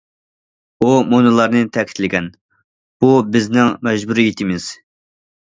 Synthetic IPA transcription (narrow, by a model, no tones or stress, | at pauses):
umonɨlˠɑɾnɨt̪ʰɛkʲʰɪ̥t̪lɪɡʲɛn | b̥ubɪznɪŋmɛʒbuɾijit̪ʰɪmɪz̥